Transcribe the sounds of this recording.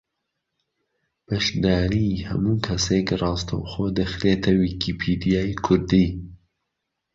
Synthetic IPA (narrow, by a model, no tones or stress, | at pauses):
pəʃd̪aːɾihɐ̰muːkʰɐseːkɨrɑːst̪ɐ̰wxoːd̪əxɾeːt̪ʰɐwikipʰiːd̪ijaːikʰʊɾd̪iː